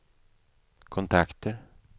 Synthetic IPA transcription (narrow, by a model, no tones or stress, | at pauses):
kʰɔnt̪ʰakt̪əɾ